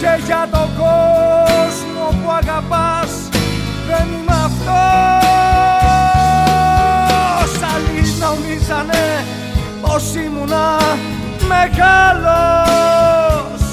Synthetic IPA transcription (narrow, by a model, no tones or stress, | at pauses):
keʝat̪oko | smopwaɣapas | ðenumaft̪o | salinaunisane | osimuna | meɣalo | s